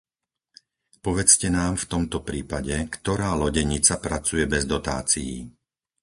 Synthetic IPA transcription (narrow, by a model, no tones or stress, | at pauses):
pɔʋɛt͡scɛnaːmft̪ɔmt̪ɔpɾiːpaɟɛkt̪ɔɾaːlɔɟɛɲit͡sapɾat͡sujɛbɛzd̪ɔt̪a̰ːt͡sijḭ